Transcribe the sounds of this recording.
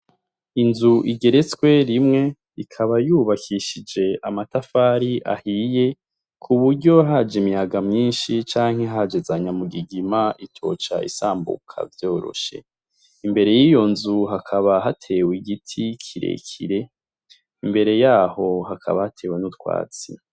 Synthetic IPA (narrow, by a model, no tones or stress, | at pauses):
inzuʔiɡe̞ɾe̞t͡skwe̞ɾimŋe̞ | ikʰaβajuːβakʰiʃid͡ʒe̞ʔamatafaɾiʔa̰hije̞ | kʰuβuɾɟo̞ɦad͡ʒimijaɡamɲiːnʃit͡ʃaːŋ̥he̞ɦad͡ʒe̞zaɲamuɡiɡimaʔitʰo̞̰t͡ʃa̰ḭsaːmbṵkʰa̰vjo̞ːɾo̞̰ʃe̞̰ | imbe̞ɾe̞jijo̞nzuɦakʰaβaɦatʰe̞wiɡitʰikʰiɾḛkʰiɾe̞ | imbe̞ɾe̞jaːho̞hakʰa̰βahatʰe̞ːwenutwa̰ːt͡si